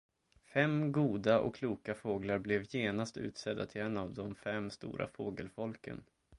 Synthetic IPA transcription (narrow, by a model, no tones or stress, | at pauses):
fɛmːɡuːd̪aʔɔ̰kʰluːkafoːɡlaɾblɛvjeːnast̪ʉ̟ːt̪sɛd̪ːat̪ʰɪlɛnːavd̪ɔmfɛmst̪ṵːɾʔa̰foːɡəlfɔlkə̰n